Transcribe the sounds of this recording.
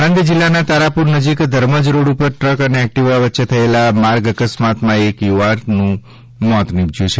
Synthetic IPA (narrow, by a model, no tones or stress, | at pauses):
ãnd̪id͡ʒilːanãt̪aɾapuɾnəd͡ʒikd̪ʱəɾməd͡ʒɾoɽupəɾʈɾəkəneɛk̚ʈiʋaʋətːʃet̪ʰəelamaɾɡəkəsmat̪mãekjuʋaɾnũ | mɔt̪nibd͡ʒjũt͡ʃʰe